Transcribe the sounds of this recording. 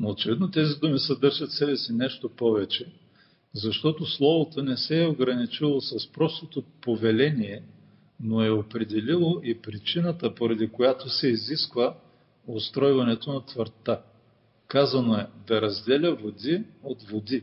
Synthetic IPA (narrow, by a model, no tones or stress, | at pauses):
noːt͡ʃɛvid̪not̪ɛzid̪umisəd̪ɤɾʒɐt̪sɛbɛsinɛʃt̪opɔvɛt͡ʃɛ | zɐʃt̪ɔt̪oslˠɔvot̪onɛsɛoɡɾɐnit͡ʃilˠosɐspɾɔst̪ot̪opovɛlɛniɛ | noɛopɾɛd̪ɛlilˠoʔipɾit͡ʃinət̪əpoɾɐd̪ikojat̪osɛiziskvə | ost̪ɾɔjvɐnɛt̪onɐt̪vəɾt̪a | kazɐnoɛd̪ɐɾɐzd̪ɛlʲəvod̪iot̪vod̪i